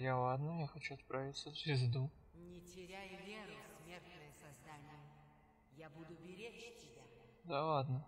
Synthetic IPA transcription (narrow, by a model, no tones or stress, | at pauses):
jalad̪nəjaxɐt͡ɕuɐt̪̚pɾavʲɪt̪səvzvʲɪzd̪u | nʲɪtʲɪɾʲajʊvʲeɾʊsmʲert̪nəjəsɐzd̪anʲɪjə | jabud̪ʊbʲɪɾʲet͡ɕtʲɪbʲad̪alad̪nə